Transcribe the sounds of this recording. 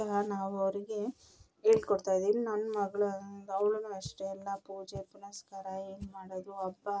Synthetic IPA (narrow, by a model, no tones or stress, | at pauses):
ɐɦɐnaːʋɐʋɾiɡe̞ | ɦeːɭkoɽt̪aːjd̪iːninɐnːɐmɐɡɐɭɐd̪ɐwɭɐnuɐʂʈeɛlːɐpuːd͡ʒepunɐskaːɾɐeːnmaːɽod̪uɐbːɐ